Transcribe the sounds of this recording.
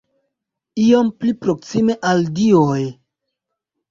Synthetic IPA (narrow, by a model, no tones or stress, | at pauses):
iomplipɾo̞ksime̞ʔaldioj